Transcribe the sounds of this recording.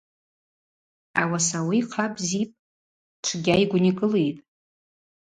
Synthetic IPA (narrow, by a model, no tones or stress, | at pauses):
awasawijqʰabʼzipʼ | ʈ͡ʂʷʰɡʲaiɡʷnikʼɨle̞jtʼ